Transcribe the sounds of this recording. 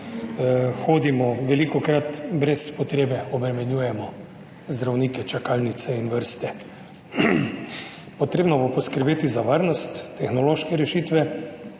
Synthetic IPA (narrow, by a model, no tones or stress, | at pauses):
xoːd̪imɔʋɛlikɔkɾat̪bɾɛspɔt̪ɾeːbɛɔbɾɛmɛnjuːjɛmɔ | zd̪ɾawniːkɛt͡ʃakaːlnit̪sɛinʋəɾst̪ɛ | pɔt̪ɾeːbnɔbopɔskəɾbeːt̪izaʋaɾnɔst̪ːɛxnɔloːʃkɛɾɛʃiːt̪ʋɛ